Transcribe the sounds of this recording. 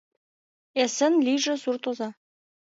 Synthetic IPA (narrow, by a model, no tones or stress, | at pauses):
esɘ̆nlʲiʐɘ̆surt̪ozɑ